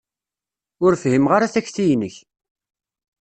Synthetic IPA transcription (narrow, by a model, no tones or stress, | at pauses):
ʊɾfhimʁaɾaθæçθijnəç